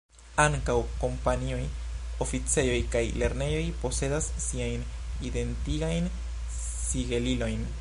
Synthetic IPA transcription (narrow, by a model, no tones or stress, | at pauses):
aŋkawko̞mpaniojo̞fit͡se̞jo̞jkajle̞ɾne̞jo̞jpo̞se̞dasːiajn | ide̞ntiɡajn | siɡe̞lilo̞jn